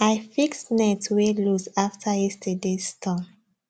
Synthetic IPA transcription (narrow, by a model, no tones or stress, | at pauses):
aɪfiksnɛtwelusaftʰaɛstʰədestʰɔ̃m